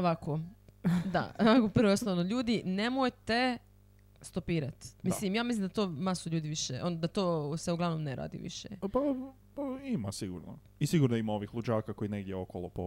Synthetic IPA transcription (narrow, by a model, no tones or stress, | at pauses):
oʋakod̪a̰oʋakopr̩ɾʋoosonoʎuːd̪inemojt̪e | st̪opiːɾat̪mmislimjaːmislimd̪at̪oːmasoʎuːd̪iʋiʃeʔond̪at̪oːseuɡlaʋnomneɾa̰ːd̪ḭʋḭʃḛpa | paima̰siɡṵɾno̰ | isiɡuɾnimao̞ʋixlˠud͡ʒaːkako̞ineɡd̪jeokolˠopo